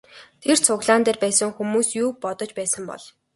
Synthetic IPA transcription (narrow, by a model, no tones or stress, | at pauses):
t̪ʰert͡sʰʊɣɮaːnt̪eːrpæːsə̆ŋxumuːsjuːpɔt̪ɞ̆t͡ɕpæːsə̆mpɔ̰ɮ̥